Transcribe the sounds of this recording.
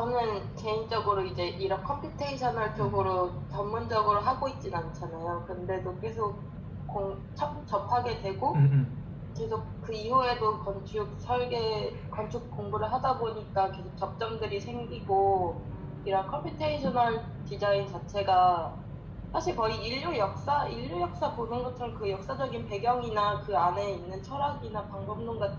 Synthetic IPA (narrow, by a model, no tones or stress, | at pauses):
t͡ɕʌnɯnke̞ind͡ʑʌɡɯɾoid͡ʑe̞ʔiɾʌnkʰʌmpʰjutʰeiɕʰʌnaɭt͡ɕ͈oɡɯɾot͡ɕʌmːund͡ʑʌɡɯɾoɦaɡoit̚t͡ɕ͈inant͡ɕʰanajokɯnde̞doke̞sʰok̚ | koŋ | t͡ɕʰʌkut͡ɕʌpʰaɡe̞dwe̞ɡo | ke̞sʰok̚kɯihue̞dokʌnt͡ɕʰuk̚sʰʌɭɡe̞ | kʌnt͡ɕʰup̚k͈oŋɡuɾɯɭɦadaboɲik͈ake̞sʰok̚t͡ɕ͈ʌp̚t͡ɕ͈ʌmdɯɾisʰe̞ŋɡiɡo | iɾʌnkʰʌmpʰitʰeiɕʰʌnaɭ | tid͡ʑaint͡ɕat͡ɕʰeɡa | sʰaɕʰiɭkʌiiʎːojʌk̚s͈aiʎːojʌk̚s͈aponɯnɡʌtʰɯɾokɯjʌk̚s͈ad͡ʑʌɡinpe̞ɡjʌŋinakɯane̞inːɯnt͡ɕʰʌɾaɡinapaŋbʌmnoŋɡa